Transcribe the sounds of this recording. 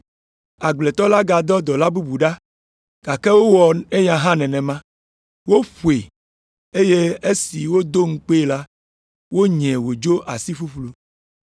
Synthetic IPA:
a˨ɡ͡ble˨t̪ɔ˦la˦ɡa˨d̪ɔ˦d̪ɔ˨la˦bu˦bu˨ɖa˦ | ɡ̥a˨kɛ˦wo˦wɔ˨e˦ɲã˨ɦã˦nɛ̃˨nɛ̃˨mã˦ | wo˦ɸu˨e˨ | e˦je˦e˦si˨wo˦d̪o˦ŋ̩˦k͡pe˦˨la˦ | wo˦ɲɛ̃˨wo˨d͡ʒo˦ʔa˨si˦fu˦ɸlu˦

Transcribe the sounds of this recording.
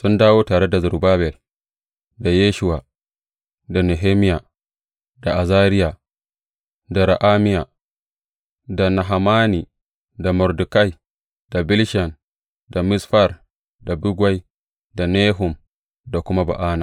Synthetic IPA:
sʊ˦ndaː˦woː˦taː˨ɽe˦da˨zʊ˨baː˦bɛ˨l | da˨jeː˦ʃʊ˦wa˨ | da˨ne˨ɦeː˦mɪ˦ja˨ | d̥a˨ʔa˨zaː˦ɾɪ˦ja˨ | da˨ɾa˨ʔa˦mɪ˦ja˨ | da˨na˨ɦa˨maː˦ni˨ | da˨mɔ˨ɾdu˨ka˦j | d̥a˨bɪ˦lʃa˨n | da˨mɪ˦sɸa˦˨r | da˨bʊ˦ɡwa˦j | da˨neː˦ɦʊ˨m | da˨kʷʊ˦ma˦ba̰˨ʔaː˦na˨

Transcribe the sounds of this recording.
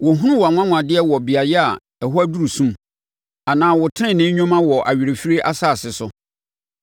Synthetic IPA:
wɔ˨ɦũ˦ʊ̃˦wa˨ŋʷ˦ã˦ŋʷ˨ã˨dɪ˦ɛ˦wɔ˨bɪ˨a˨jɛ˦a˨ | ɛ˨ɦʊ˦æ˦du˦ɾu˨sũ˦m | a˨nãː˨wʊ˨tʰɪ˦ɪ̃˦˨nɪ̃˦ɲᶣɔ̃˦mã˦wɔ˨ʔa˨ɥi˨ɾe˨fi˦ɾi˦ʔa̰˦saː˦˨sɪ˨sʊ˦

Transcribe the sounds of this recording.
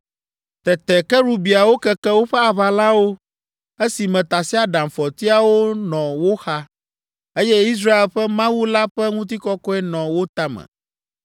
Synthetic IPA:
t̪ɛ˨t̪ɛ˨kɛ˦ɾu˦bi˨a˨wo˦kɛ˨kɛ˦wo˦ɸɛ˦a˨βa˨la˦wo˦ | e˦si˨mɛ̃˨t̪a˨si˦a˨ɖã˨mfɔ˨t̪i˦a˨wo˦nɔ̃˨wo˦xa˦ | e˦jɛ˦i˦s̬ɾa˦e˨lɸɛ˦mã˦wu˦la˦ɸɛ˦ŋũ˦t̪̬i˦kɔ˦kɔ˦ɛ˦nɔ̃˨wo˦t̪a˦mɛ̰̃˨

